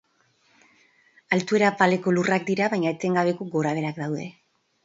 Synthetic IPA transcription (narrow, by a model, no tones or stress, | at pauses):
alt̪ue̞ɾapale̞ko̞lurak̚d̪iɾaβajɲaet͡s̪e̞ŋɡaβ̞e̞ko̞ɡo̞ɾaβ̞e̞ɾakd̪awðe̞̰